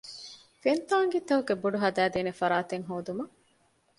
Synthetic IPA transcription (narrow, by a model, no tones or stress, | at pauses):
fent̪aːŋɡit̪ɐɦuɡebuɖuɦɐd̪æːd̪eːnefɐɾaːt̪eŋɦoːd̪umɐ